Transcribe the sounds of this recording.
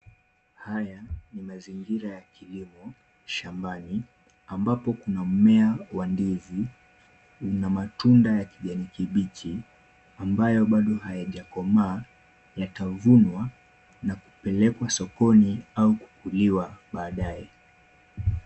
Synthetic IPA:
hajanimaziŋɡiɾajakilimɔ | ʃambani | ambapɔkunam̩mɛawandizi | unamatundajakiɠanikiɓit͡ʃʰi | ambajɔɓaɗɔhajaʄakɔmaː | jatavunwa | nakupɛlɛkwasɔkɔniauku̥kuliwaɓaːɗajɛ

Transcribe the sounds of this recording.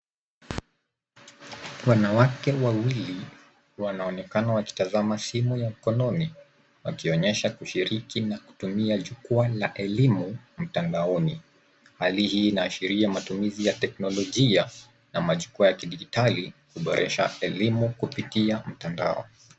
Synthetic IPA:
wanawakɛwawili | wanaɔnɛkanawaki̥tazamasimujam̩kɔnɔni | wa̰kiɔɲɛʃakuʃiɾikinaku̥tumiaʄukualaʔɛlimum̩tandaɔni | halihiːnaːʃiɾiamatumizijatɛk̚nɔlɔʄia | namaʄukuajakiɗiɡitalikuɓɔɾʔɛʃaɛlimukupitiam̩tanda̰ɔ̰

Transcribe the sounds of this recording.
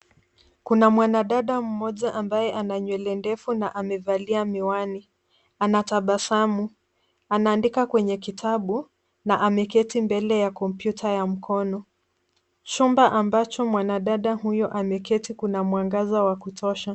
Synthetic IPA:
kunamwanaɗaɗam̩mɔʄaʔambajɛʔanaɲwɛlɛndɛfunaʔamɛvaliamiwani | anataɓasamu | anaːndikakwɛɲɛkitʰaɓu | naʔamɛkɛtimbɛlɛjakɔmpjutʰajam̩kʰɔnɔ | t͡ʃumbaʔambat͡ʃɔmwanaɗaɗahujɔʔamɛkɛtikunamwaŋɡazawakutʰɔʃa

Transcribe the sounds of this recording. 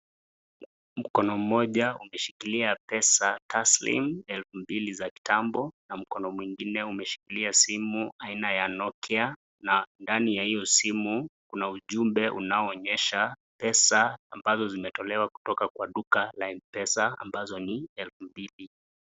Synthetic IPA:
m̩kɔnɔm̩mɔʄaumɛʃikiliapɛsatʰaslḭmɛlfumbilizaki̥tambɔnam̩kɔnɔmwiŋɡinɛumɛʃi̥kiliasimuainajanɔkɛa | nandanijahijɔsimukunauʄumbɛʔṵnaɔːɲɛʃapɛsaːmbazɔzimɛtɔlɛwaku̥tɔkakwaɗukalainpɛsaa̰mbazɔniɛlfumbili

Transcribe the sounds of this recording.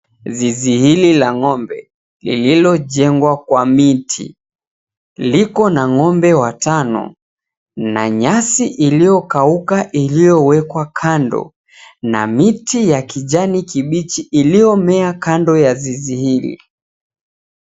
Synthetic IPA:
zizihililaŋɔmbɛ̰ | lḭlilɔʄɛŋɡwakwamitʰḭ | likɔnaŋɔmbɛwatanɔ̰ | na̰ɲasiʔilijɔkaukaʔilijɔwɛkwakʰandɔ̰ | na̰mitijakiʄanikiɓit͡ʃiːlijɔmɛakandɔjazizihilḭ

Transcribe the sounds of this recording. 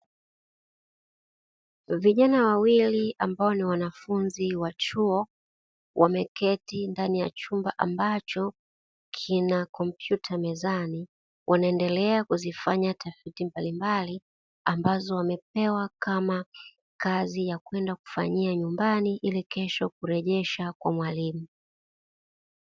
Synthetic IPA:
viʄanawawiliambaɔniwanafunziwat͡ʃuɔ | wʔamɛkɛtindanija̰t͡ʃumbaʔambat͡ʃɔ | kʰinakɔmpjutʰamɛzani | wʔanaɛndɛlɛakuzifaɲatʰafitimbalimbali | ambazɔwamɛp̚ɛwakama | kazijakwɛndaku̥fa̰ɲiaɲumbaniʔilikɛʃɔk̚uɾɛʄɛʃakwa̰mwalimu

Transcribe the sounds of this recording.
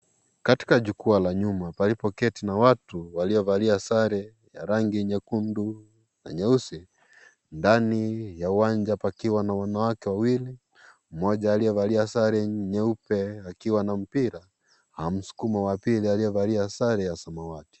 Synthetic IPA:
kati̥kaʄukualaɲumapalipɔkɛtinawatuwaliɔvaliasaɾɛ | jaɾaŋɡiɲɛkundu | na̰ɲɛusi | ndanijauwand͡ʒapakiwanawanawakɛwawili | m̩mɔʄaːliɛvaliasaɾɛɲɛupɛakiwanam̩piɾa | ham̩su̥kumawapilialiɛvaliasaɾɛjasamawati̥

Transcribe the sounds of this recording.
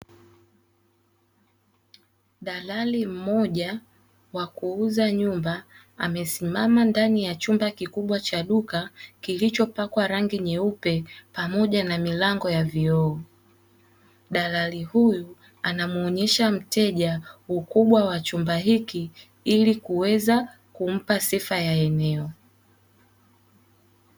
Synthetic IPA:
ɗalalim̩mɔʄa | wakuuzaɲumba | a̰mɛsimamandanijat͡ʃumbakikuɓwat͡ʃaɗukakilit͡ʃɔpakwaɾaŋɡiɲɛupɛpamɔʄanamilaŋɡɔjaviɔː | ɗalalihuju | anamuɔɲɛʃam̩tɛʄaukuɓwawat͡ʃumbaɦiki | ilikuwɛza | kum̩pasifajaɛnɛɔ

